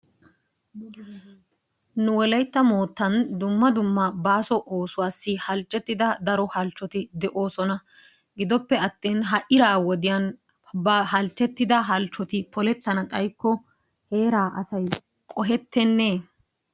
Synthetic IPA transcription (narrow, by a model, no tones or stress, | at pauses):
nʊwɔlɐjt̪ːɐmoːt̪ːɐnd̪ʊmːɐd̪ʊmːɐbaːsɔʔo̞ːsʊwaːsːɪhɐlt͡ʃʼːɛt̪ːɪd̪ɐd̪ɐɾɔhɐlt͡ʃːɔt̪ɪd̪ɛʔo̞ːsɔnɐ | ɡɪd̪ɔpːɛɐt̪ːeːnɦɐʔɪɾaːwɔd̪ɪjɐn | bɐɦɐlt͡ʃʼːɛt̪ːɪd̪ɐɦɐlt͡ʃːɔt̪ɪpɔlɛt̪ːɐnɐkʼɐjkːɔ | he̞ːɾaːʔɐsɐj | kʼɔɦɛt̪ːɛnːe